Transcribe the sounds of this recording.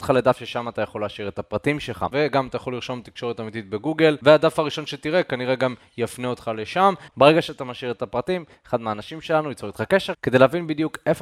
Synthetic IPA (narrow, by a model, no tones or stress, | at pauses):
t̪χaled̪afʃeʃamat̪ajaχo̞laːʃiʁet̪apʁat̪imʃelχa̰ve̞ɡamat̪ajaχo̞liʁʃo̞mt̪i̥kʃo̞ʁet̪amit̪it̪̚be̞ɡuɡelvead̪afaʁiʃo̞nʃet̪iʁe̞kaniʁe̞ɡam | jafneot̪χale̞ʃambeʁe̞ɡaʃeat̪amaʃiʁet̪apʁat̪imeχad̪meaːnaʃimʃe̞lanuit͡soʁet̪χakeʃeʁke̞d̪ejleavinbid̪jukef